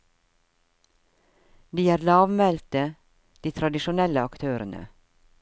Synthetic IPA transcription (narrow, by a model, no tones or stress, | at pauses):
d̪iːæːɾlɑːʋmɛlt̪ə | d̪̥iːt̪ʰɾɑd̪ɪʃʊnɛləɑkt̪ʰøːɾənə̰